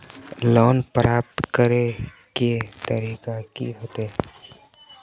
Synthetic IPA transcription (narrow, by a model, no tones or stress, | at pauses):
loːnpɾaːp̚t̪kəɾe | ket̪əɾiːkakḭɦoːt̪eː